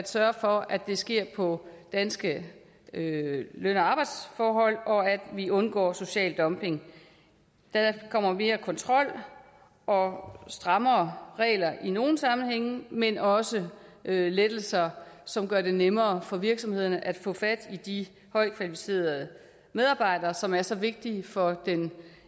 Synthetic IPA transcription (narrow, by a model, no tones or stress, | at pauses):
æd̥sɶɐfɒ̽æd̥e̝sɡ̥e̝ɐ̰pʰɒ̽d̥ænsɡ̥ə | øløn̰ɒɑ̈b̥ɑ̈ɪd̥sfɒːɦɒ̽l̰ɒ̽æd̥ʋiʔɔ̽nɡ̥ɒ̰ːso̝ɕɛ̰ːld̥ɒ̽mpʰe̝ŋ | d̥ækʰɒ̽m̰ɐme̝ːɐkʰɒ̽nt͡sʰʁɒ̽l̰ | ɒ̽sd̥ʁɑ̈mɐːʁɛ̰ːlɐʔino̝ːn̩sɑ̈mn̩heŋ̰menɒ̽səøled̥l̩sɐsɒ̽mɡ̥ɶɐde̝nemɐːfɒ̽ʋiɐɡ̥sɒ̽mhe̝ð̞̰ˠɐnəʔæd̥fɔ̰̽ːfæd̥id̥i | hɒ̽ɪ̰kʰʋælifi̥se̝̰ːɐðˠ | með̞ˠɑ̈ːb̥ɑ̈ɪ̰dɐːsɒ̽mæɐsɒ̽ʋe̝ɡ̥̚d̥ifɒ̽d̥en